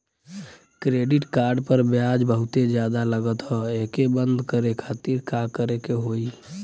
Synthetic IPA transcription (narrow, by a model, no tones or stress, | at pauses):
kɾeɖiʈkaːɾɖpəɾbjad͡ʒbəɦʊt̪ed͡ʒjad̪aləɡət̪ɦɔekebənd̪ʱkəɾekʰat̪iɾkakəɾekeɦoi